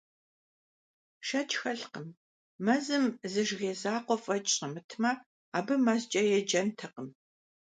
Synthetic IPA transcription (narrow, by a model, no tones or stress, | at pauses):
ʃɐt͡ʃʰʼxɐɬqəm | mɐzɨmzɨʒɣeːzaːqʷɔfʼɐt͡ʃʼɕɐmɨtʰmɐ | aːbɨmazt͡ʃʼɐjɛd͡ʒɐntʰɨqəm